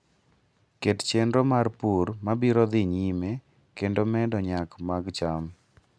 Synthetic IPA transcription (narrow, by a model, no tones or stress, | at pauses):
kett͡ʃendɾomarpurmabiɾɔd̪ɪɲime | kendomɛdɔɲakmaɡt͡ʃam